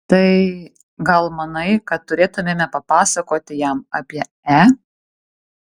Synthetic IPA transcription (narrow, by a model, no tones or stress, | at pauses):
t̪ɐɪ | ɡɐlˠmɐnɐɪkɐt̪t̪ʊɾʲeːt̪ʊmʲeːmʲɛpɐpɑːsɐkoːt̪ʲɪjɛmɑːpʲiɛ | æ